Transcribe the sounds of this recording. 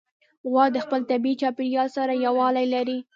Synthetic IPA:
ɣwɑd̪əxpəlt̪abit͡ʃɑpɪɾjɑlsaɾajawɑlajlaɾi

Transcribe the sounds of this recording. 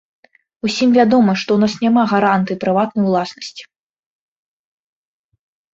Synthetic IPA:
usʲimvʲad̪ɔmɨʂt̪ɔwnasnʲamaɣaɾant̪ɨjipɾɨvat̪nɐjulˠasnɐsʲt͡sʲi̥

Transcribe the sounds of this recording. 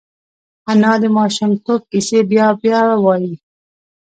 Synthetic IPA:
anɑːd̪əmɑːʃumt̪ok̚kisebjɑːbjɑwɑːji

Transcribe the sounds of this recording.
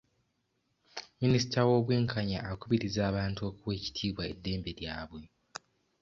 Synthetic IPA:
minisi̥tawo̞ːβweːŋkʰaɲa̰ːkuβiɾizaːβaːntuo̞kuβwe̞ːci̥tʰiːβwae̞dːe̞ːmbe̞ɾjaːβwe̞

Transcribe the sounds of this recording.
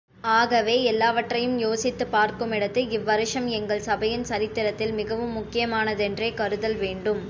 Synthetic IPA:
aːɣɐʋeːɛlːaːʋɐʈːrɐjɯmjoːsɪt̪ːɯpaːɾkɯmɪɽɐt̪ːɯɪʋːɐɾɪʂɐmɛŋɡɐɭsɐbɐjɪnsɐɾɪt̪ːɪɾɐt̪ːɪlmɪɣɐʋɯmːʊkːɪjɐmaːnɐðɛndreːkɐɾɯðɐlʋeːɳɖɯm

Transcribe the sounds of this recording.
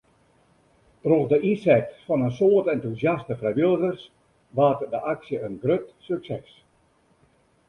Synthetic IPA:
troχdəʔisɛtfɔnənsoːətɛntuzjastəfrɛjʋɪlˠɣərs | ʋaːtdəʔaksjəənɡrøtsyksɛs

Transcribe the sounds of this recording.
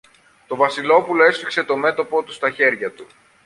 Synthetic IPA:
t̪o̞vɐsilo̞pulo̞e̞sfikse̞t̪o̞me̞t̪o̞po̞t̪u̥st̪ɐçe̞ɾʝɐt̪u

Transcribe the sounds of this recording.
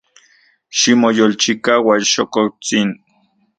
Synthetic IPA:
ʃimojolt͡ʃikawaʃokot͡sin

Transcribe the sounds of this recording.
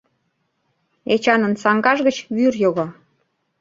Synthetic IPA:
et͡ɕɑnənsɑŋɡɑʒɣət͡ɕβyrjoɣo

